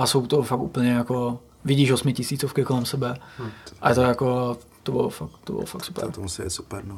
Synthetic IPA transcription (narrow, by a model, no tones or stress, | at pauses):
ʔasowt̪ofakṵpl̩ɲɛjako | vɪɟiːʃosmɪcɪsiːt͡sofkɪkolɛmsɛbɛʔajɛt̪ojako | t̪obɪ̰lo̰fakt̪obɪ̰lofaktsu̥pɛ̰t̪omusɪɛ̰su̥pɛɾn